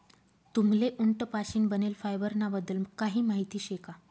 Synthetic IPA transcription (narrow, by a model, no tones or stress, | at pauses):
t̪umleʔuɳʈəpaɕiːnbənelfajbəɾnabəd̪əlkaɦiːmaɦit̪iːɕeka